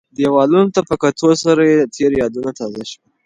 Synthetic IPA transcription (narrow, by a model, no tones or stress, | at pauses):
d̪ewɑlunot̪apəkat̪ʰosaɾajet̪ʰeɾjɑd̪unat̪ɑzaʃwa